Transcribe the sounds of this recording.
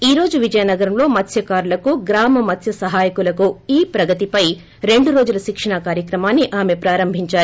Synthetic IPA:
iːɾo̞ːd͡ʒuʋid͡ʒɐjɐnɐɡɐɾɐmlo̞ːmɐt̪ʰjɐkaːɾulɐkuɡɾaːmɐmɐt̪ʰjɐsɐɦaːjɐkulɐkuiːpɾɐɡɐt̪ipɐj | ɾe̞ɳɖuɾo̞ːd͡ʒulɐʃikʂɐɳakaːɾjɐkɾɐmaːnːiʔaːme̞pɾaːɾɐmbʱiɲt͡ʃaːɾu

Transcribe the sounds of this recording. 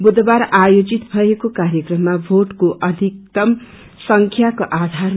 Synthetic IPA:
bud̪baɾajod͡zit̪bʱʌekokaɾjekrʌmːabʱoʈkoʔʌd̪ʱikt̪ʌm | sʌŋkʰjakoʔad̪ʱar

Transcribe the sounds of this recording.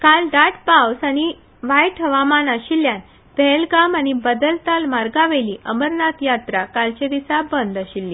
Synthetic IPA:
kalɖaʈpawsañi | ʋajʈʰəʋamanaɕiljan | bʱɛlɡamañibəd̪əlt̪almaɾɡaʋeliːʔəməɾnat̪jat̪ɾakalt͡ɕed̪isabənd̪əɕilːiː

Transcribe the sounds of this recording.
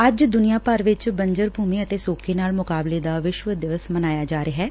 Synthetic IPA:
əd͡ʒd̪ʊnijaːpəɾʋɪt͡ʃbəɲd͡ʒəɾbʱuːmiːət̪eːsoːkʰeːnaːlmʊkaːbleːd̪aːʋɪʃʋəd̪ɪʋəsmənaːjaːd͡ʒaːɾeːɦɛː

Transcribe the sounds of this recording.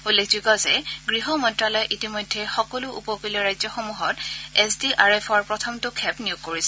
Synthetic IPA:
ulekʰzikɔzɛɡɹiɦɔmɔntɹalɔjʔitimɔjdʱːɛxɔkɔlʊʔupɔpilɔɹajzɔxomuɦɔtɛsdiʔaɹɛpʰɔɹpɹɔtʰɔmtʊkʰɛpnijuɡ̚koɹisɛ

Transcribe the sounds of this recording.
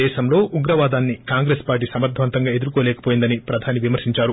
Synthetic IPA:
ɛːʃɐmlo̞ːʔuɡɾɐʋaːd̪aːnːikaːŋɡɾespaːɾʈ̬iːsɐmɐɾt̪ʰːʋɐnt̪ɐŋɡaːe̞d̪uɾukoːlɛːkɐ̥poːjind̪ɐnipɾɐd̪ʱaːniʋimɐɾsiɲt͡ʃaːɾu

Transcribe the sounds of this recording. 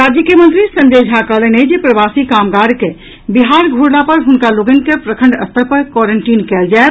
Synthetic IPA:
ɾaːd͡ʒjəkijəmə̃nt̪ɾisə̃ɲd͡ʒed͡ʒʱɦaːkaləned͡ʒepɾəbaːsikaːmɡaːɽke | biɦaːɾɡʱuɽlapɐɾɦʊnkaluɡənkepɾəkʰə̃ɳɖə̰st̪ʰəɾpəɾkɔɾəɳʈiːnkɛːld͡ʒaːe

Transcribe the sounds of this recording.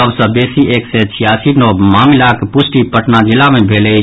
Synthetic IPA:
əbsə̃besiʔeːksɛt͡ʃʰijasinomaːmilakpusʈipəʈnad͡ʒɪlːamebʱelɛ

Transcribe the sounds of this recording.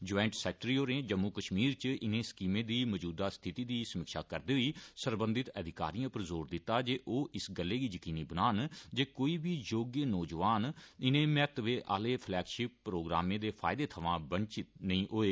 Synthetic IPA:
d͡ʒɔːɪɳʈsɛːk̚ʈɾiːoːɾẽːd͡ʒəmːuːkəʃmiːɾt͡ʃʔɪnẽːskiːmẽːd̪iːməd͡ʒuːd̪aːst̪ʰɪt̪iːd̪iːsəmɪkʃa̰ːkəɾd̪eːɦiːsəɾbənd̪ɪt̪əd̪ɪka̰ːɾijãːpəɾzoːɾd̪ɪt̪ːaːd͡ʒeːʔoːʔɪsɡəlːeːɡiːjəkiːniːbənaːnd͡ʒeːkoːiːbʱiːjoːɡjənɔːd͡ʒəʋaːnɪnẽːmɛt̪ʋeːʔa̰ːleːpʰlɛːkʃɪpːɾoːɡɾaːmẽːd̪eːpʰa̰ːɪd̪eːt̪ʰəʋãːbənt͡ʃɪt̪nəĩːʔoːeː

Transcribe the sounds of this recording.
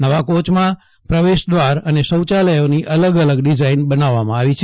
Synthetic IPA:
nəʋakot͡ʃmã | pɾəʋeʃd̪ʋaɾənesəwt͡ʃaləjoniʔələɡələɡɖid͡ʒainbənaʋːamãaʋit͡ʃʰe

